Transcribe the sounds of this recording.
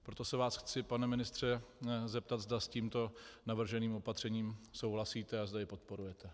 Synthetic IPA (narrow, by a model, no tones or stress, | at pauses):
pɾo̞t̪o̞sɛvaːsxt͡sɪpanɛmɪnɪst̪r̝̥ɛzɛp̚t̪at̪zd̪asciːmt̪o̞navr̩ʒɛniːmo̞pat̪r̝̥ɛɲiːmso̞wɦlasiːt̪ɛazdajɪpo̞t̪̚po̞ɾujɛt̪ɛ